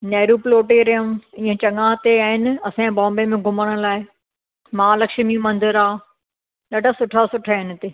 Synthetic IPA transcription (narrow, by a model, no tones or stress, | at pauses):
neːɾuploːʈeɾɐɦə̃ĩːẽt͡ɕɐŋãt̪eaːɦɪnɐsãbãːmbemẽɡʱʊməɽ̃ʊ̆laːɪ | mãːlɐkʃmimɐ̃nd̪ɪɾaː | ɗɐɖʱasʊʈʰasʊʈʰaːɦɪnɪ̆t̪eː